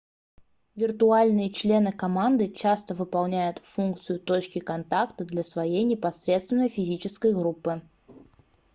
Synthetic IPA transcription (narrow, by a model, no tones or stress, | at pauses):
vʲɪrt̪ʊalʲnɨjət͡ɕlʲe̞nɨkɐmand̪ɨt͡ɕast̪əvɨpɐlˠnʲæjʊt̪funk̚t̪sɨjʊt̪ot͡ɕkʲɪkɐnt̪akt̪əd̪lʲɐsvɐjejnʲɪpɐsɾʲe̞t̪st̪vʲɪnːəjfʲɪzʲit͡ɕɪskəjɡɾupːɨ